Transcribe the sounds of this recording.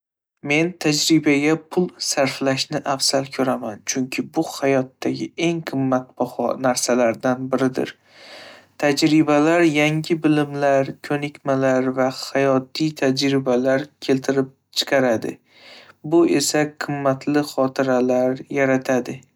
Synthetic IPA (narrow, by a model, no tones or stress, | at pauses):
me̞nt̪ʰad͡ʒɾɪbaɡʲapʰʊlˠsaɾflaʃnɪʔafsalkʲʰɵɾamant͡ʃʰʊŋkʲʰɪbʊhajɒt̪ːaɡʲɪe̞ŋqʰɨmːat̪̚bɒhɒ̰naɾsalaɾd̪anbɪɾɪd̪ɪ̰ɾ | t̪ʰad͡ʒɾɪbalaɾjaŋʲɪbɪlɪmlaɾkʰɵnɪkʲmalaɾvahajɒt̪ʰːijt̪ʰad͡ʒɾɪbalaɾkʲʰe̞lt̪ʰɪɾɪp̚t͡ʃʰɨ̥qʰɑɾad̪ɪ̰ | bʊe̞saqʰɨmːat̪ʰlɪχɒt̪ʰɪɾalaɾjaɾat̪ʰad̪ɪ